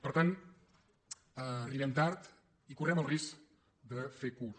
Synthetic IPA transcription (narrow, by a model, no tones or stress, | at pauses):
pəɾt̪an | riβɛmt̪aɾt̪ | ikurɛməlˠrisk | d̪əfeku